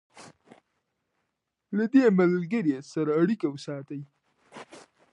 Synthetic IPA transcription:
lad̪emalɡəɾesaɾaːɽikawəsɑːt̪əj

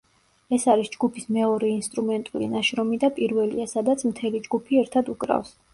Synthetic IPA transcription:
ɛsaɾisd͡ʒɡupʰismɛɔɾɛinst̪ʼɾumɛnt̪ʼulḭnaʃɾɔmid̪apʼiɾvɛlḭasad̪at̪sʰmt̪ʰɛlid͡ʒɡupʰiɛɾt̪ʰad̪ukʼɾa̰fs

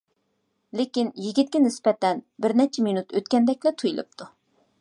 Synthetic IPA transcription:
lekʲinjiɡʲit̪̚kʲɛnɪspɛt̪ɛnbɪɾnɛt͡ʃʰɛminut̪øt̪kʲɛnd̪ɛkʲlɛt̪ʰujlˠɨ̰p̚t̪ʰu

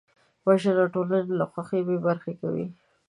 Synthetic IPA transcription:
baʒaɾaʈolanelaxwaxebebaɾxeka̰wḭ

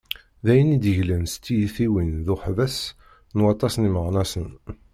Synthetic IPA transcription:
ðæjənid̪əʝləmst̪ːijiθiwinðʊħvæs | nwɑt̪ˤːɑsniməʁnɑsən

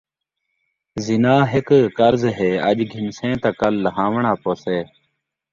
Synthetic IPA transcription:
zɪnaːɦekkəɾzɦeːəʄɡʱɪmsẽːt̪akəlːəɦãːʋɳãːpoːseː

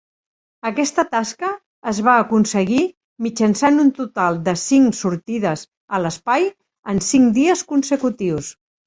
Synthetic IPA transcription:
əkɛst̪ət̪askəː | zβaəkunsəɣi | mid͡ʒənsanunt̪ut̪alˠd̪əsiŋsuɾt̪iðəz | ələspaj | ənsiŋd̪iəskunsəkut̪iws

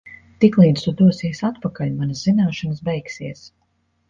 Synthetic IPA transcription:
t̪iklˠiːd̪st̪ud̪uɔsiɛsat̪̚pakalʲmanazzinaːʃanəsbɛjksiɛs

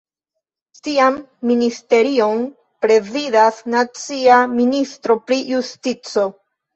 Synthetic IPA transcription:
tiamːiniste̞ɾio̞n | pɾe̞zidasnat͡siaministɾo̞pɾijustit͡so̞

